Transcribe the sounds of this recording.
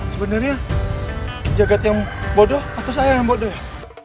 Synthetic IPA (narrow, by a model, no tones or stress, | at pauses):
səbənərɲa | kid͡ʒaɡat̪jaŋbodɔhat̪asajarjaŋbodɔh